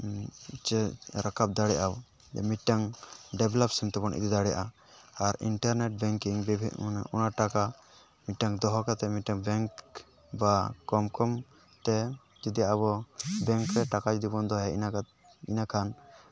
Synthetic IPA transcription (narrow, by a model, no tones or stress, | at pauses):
t͡ʃɛɾakap̚d̪aɽɛjʔaw | ɛ̰miʈːaŋɖɛbɛlɔp̚sɛmt̪ɛpɔnʔḭd̪id̪aɽɛja̰ʔa | aɾḭnʈaɾnɛʈ̚bɛŋkiŋbibʱiʔnɔnaʈaka | miʈːaŋd̪ɔɦɔkat̪ɛmiʈaŋbɛŋk | bakɔmkɔm | t̪ɛ | d͡ʒid̪ijaaβɔbɛŋkɾɛʈakad͡ʒd̪ibɔnd̪ɔɦɛina | ḭnakʰan